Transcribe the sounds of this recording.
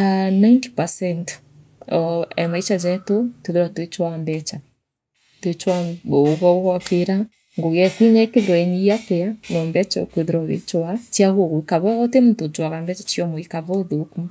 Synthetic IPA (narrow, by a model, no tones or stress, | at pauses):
anajnti̥pasɛnt | ɔɛmait͡ʃad͡ʒɛtoteðeɾatwet͡ʃwambɛt͡ʃa | twet͡ʃwaoɣɔoɣɔkeɾa | ŋɡoɣɛkwinaekeðeɾɔɛɲiatɛanɔmbɛt͡ʃɔokweðeɾɔḛt͡ʃwat͡ʃiaɣoɣoikaβɔɔtemutod͡ʒwaɣambɛt͡ʃat͡ʃiɔmoikaβɔðoku